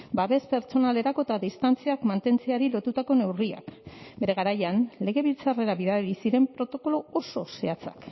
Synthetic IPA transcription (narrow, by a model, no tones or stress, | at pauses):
baβe̞spe̞ɾt͡ʃo̞nale̞ɾako̞et̪aðist̪ant͡siakmant̪e̞nt͡seaɾilo̞t̪ut̪ako̞ne̞wria̰kbe̞ɾe̞ɣaɾajanle̞ɣ̞e̞βilt͡sare̞ɾaβiðaɾeɾisiɾe̞mpɾo̞t̪o̞ko̞lo̞oso̞se̞at͡sa̰k